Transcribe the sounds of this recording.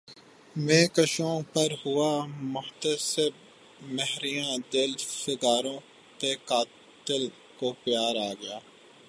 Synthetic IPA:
mẽːkəʃõːpɐɾhʊaːmʊht̪əsɪb̚ | mɛɦɾijãːd̪ɪlfɪɡaːɾõː | t̪ekaː | t̪ɪl | kopɪjaːɾaːɡɪjaː

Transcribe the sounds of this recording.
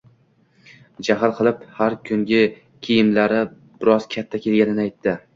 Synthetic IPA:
d͡ʒaɦɪlˠqʰɨlˠɪphaɾkʲʰʊŋɡʲɪ | kʲʰijɪmlaɾɪ | bɪɾɒzkʲʰat̪ʰːakʲʰelɡʲanɪnɪajt̪ʰːɪ

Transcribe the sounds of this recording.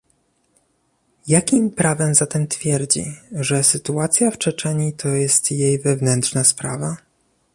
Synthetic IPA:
jakʲimpɾavɛmzat̪ɛmt̪fʲjɛɾd͡ʑḭʐɛsɘt̪uat̪sʲjaft͡ʂɛt͡ʂɛɲit̪ʰɔjɛst̪jejvɛvnɛntʂnaspɾava

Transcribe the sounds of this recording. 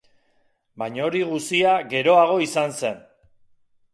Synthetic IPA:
bajɲaoɾiɣusiaɣe̞ɾo̞aɣ̞o̞isanse̞n

